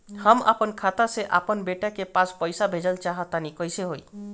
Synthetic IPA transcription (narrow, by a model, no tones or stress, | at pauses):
həma̰pənkʰat̪aseʔa̰pənbeʈakepãspəjsabʱed͡ʒəlt͡ʃaɦət̪anikɔjseɦoj